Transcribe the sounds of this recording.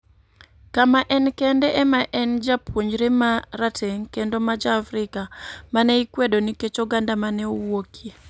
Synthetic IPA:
kamaʔɛnkɛndɛʔɛmaʔɛnd͡ʒapwoɲd͡ʒɾemaɾatʰeŋkendomad͡ʒaːfɾɪkamanɛikwedoniket͡ʃɔɡandamanɛowokʰi

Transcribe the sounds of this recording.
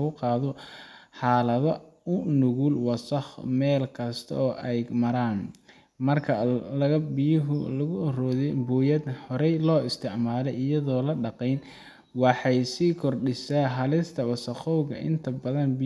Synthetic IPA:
ɣʊqɑːðɔħɑːlɐðɔʊnʊɣulwɑsɐχmɛːlkʰɐst̪ʰɐ̰ɔːʔɛjmɐɾaːn | mɐrkʰɐlɐɣɐbɪjʊɦʊlɐɣʊɐrɔːðɛjbuːjɐd̪hɔɾɛjlɔːɪst̪ʰɪʕmaːlɛjʔɪjɐðɔːlɐɖɑqɛjn | wɑħɑjsiːkʰɔrɖɪsaːɦɐlɪst̪ʰɐwɑsɐχɔwɣɐ̰ʔɪ̰nt̪ʰɐbɐðɐnbi

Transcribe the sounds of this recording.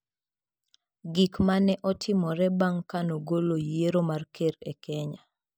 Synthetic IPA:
ɡikmanɛʔɔtʰɪmɔɾɛbaŋkanoɡolojeɾomarkʰeɾḛkʰɛɲa

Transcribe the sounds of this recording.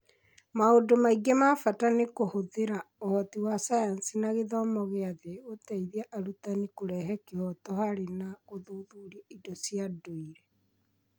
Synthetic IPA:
maodomaiɡemafatanekohoðeɾaohɔtiwasajansinaɣeðɔmɔɣeaðeotɛiðiaʔaɾutanikoɾɛɦɛkehɔtɔhaɾenaɣoðoðuɾiaidɔsiadoiɾɛ

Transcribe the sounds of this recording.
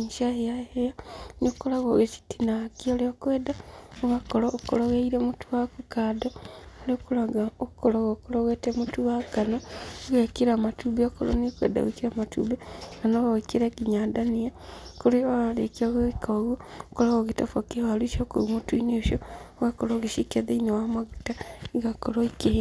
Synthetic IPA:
ʃaejaejanikkolaɣoɣet͡ʃi̥tinakioleokweːdaoɣakoloːkoloɣeiɾemutuakukaːdolokulaɡaokkoloɣokuloɣetemutuaɡanoɣekiɾamatubeokolo̰nikwḛːda̰ɣekiɾamatṵbekanoɣawekiɾekiɲadaniakuɾeoalekioɣoikaoɣokoloɣoɣitafokewaliʃoko̰umutuineʃooɣakoloːɣeʃikeðeinowamaɣitaiɣakoloike

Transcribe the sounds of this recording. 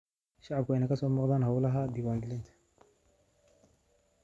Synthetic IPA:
ʃaʕab̚kainakɐsɔmɔqd̪anɦawlaɦad̪iwand̪ilɪnt̪ʰ

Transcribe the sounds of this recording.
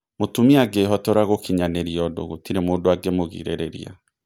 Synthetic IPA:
motumiaɡeːɦɔtɔɾaɣokʰiɲaneɾiɔdo̰ɣotiɾemodoaɡemoɣḭɾḛɾeɾḭa̰

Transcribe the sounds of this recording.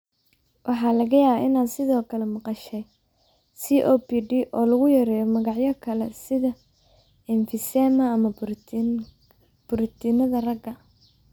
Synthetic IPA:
wʔɑħɑːlɐɣɐjaːβaɪnaːnsɪðɔːkʰɐlɛmɑqɑʃɛj | siːʔɔːpiːɖiʔɔːlɐɣʊjɐɾɛːjɔmɐɣɑʕjɐkʰɐlɛsɪðɐ | ɪnfɪsɛːmɐːmɐ | b̥ʊɾɪt̪ʰɪnɐðɐrɐɡɐ

